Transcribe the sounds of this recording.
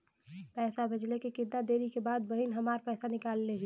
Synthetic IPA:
pɛːsabəd͡ʒlekekɪnad̪eːɾikebaːd̪̚bəɦinɦəmaːɾpɛːsanɪkaːlːeɦi

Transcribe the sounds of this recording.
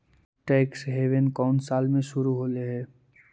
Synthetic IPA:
ʈɛːksɦeːʋenkɔːnsaːlmẽʃʊɾuɦoːleɦɛː

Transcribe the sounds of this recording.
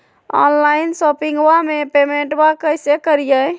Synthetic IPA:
ɔ̰nlainsɔpĩŋɡwamepemeɳʈbakəjsekəɾijə

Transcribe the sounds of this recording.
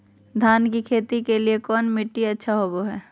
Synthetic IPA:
d̪ʱaːnkikʰeːt̪ikeliekɔːnmɪʈːiɐtːʃʰaɦoːboɦɛː

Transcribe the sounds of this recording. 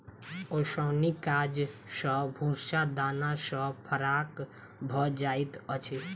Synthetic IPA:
osəʊnikad͡ʒsə̃bʱusad̪anasə̃pʰəɾak | bʱɔd͡ʒait̪ət͡ʃʰe

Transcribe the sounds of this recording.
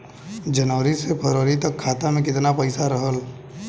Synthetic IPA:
d͡ʒɐnəːɾisepʰəɾoːɾit̪ɐkʰːaːt̪amẽkɪt̪napəɪsaɾəɦəl

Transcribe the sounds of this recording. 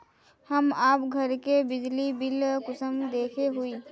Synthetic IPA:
hɐmaːpɡʱɐɾkebɪd͡ʒlibɪlkʊsəmd̪eːkʰeɦuiː

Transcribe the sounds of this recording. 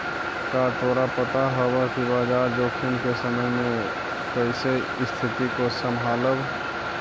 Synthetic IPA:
kat̪ʰoːɾapət̪aɦɔwakibaːd͡ʒaːɾd̪oːkʰɪnkesəməjmẽ | kəɪse | ɪst̪ʰɪt̪ikosəmɦaːləb

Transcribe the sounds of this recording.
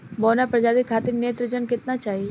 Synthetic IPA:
bɔːnapɾɐd͡ʒaːd̪ikʰːaːt̪ɪɾneːt̪ɾəd͡ʒənkɪt̪nat͡ʃaːɦi

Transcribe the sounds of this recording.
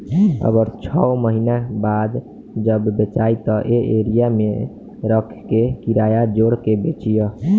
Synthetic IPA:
ə̰ɡəɾt͡ʃʰɔməɦinabad̪ | d͡ʒəbbet͡ʃait̪ɔʔeʔeɾijame | ɾəkʰkekiɾajad͡ʒoɽkebet͡ʃijə

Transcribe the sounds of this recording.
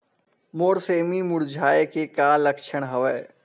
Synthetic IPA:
moːɾseːmimʊɾd͡ʒʱaːekekaːlɐkʃʰəɽ̃ɦɐʋɛː

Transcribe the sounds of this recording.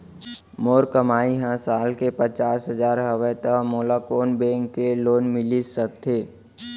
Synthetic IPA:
moːɾkəmaːiɦãsaːlkepət͡ʃaːsɦəzaːɾɦəwət̪əmoːlakoːnbɛ̃ːŋkːeloːnmɪlisəkt̪ʰeː

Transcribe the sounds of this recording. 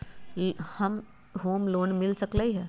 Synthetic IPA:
hɐm | ɦoːmloːnmɪlsəkləiɦɛː

